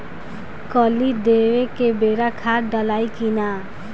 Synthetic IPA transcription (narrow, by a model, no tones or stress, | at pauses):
kɔlid̪eːʋekebeːɾakʰaːɖəlaːikina